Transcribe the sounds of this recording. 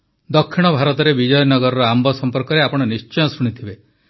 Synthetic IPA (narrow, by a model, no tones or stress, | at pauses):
d̪ɔkʰːiɽ̃ɔbʱaɾɔt̪ɔɾebid͡ʒɔjɔnɔɡɔɾɔɾɔambɔsɔmpɔɾkɔɾeapɔɽ̃ɔnist͡ʃɔjɔsuɽ̃it̪ʰibe